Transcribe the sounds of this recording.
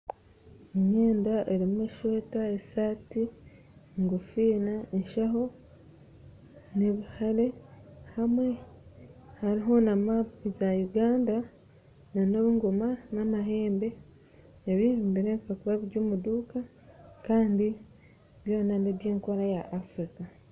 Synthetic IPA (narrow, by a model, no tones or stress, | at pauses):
eɲeːndaʔeɾimueʃoːtaesaːti | ŋɡufiːnaenʃaɦo̞ | neβihaɾe̞hamwe̞ | haɾiɦo̞namapizajuɡaːnda | nanoβuŋɡumanamaɦe̞ːmbe̞ | eβihembiɾeβikakuβaβiɾɟuːmuduːka | kaːndi | βjo̞ːnaneβjeːŋko̞ɾajaʔːfɾika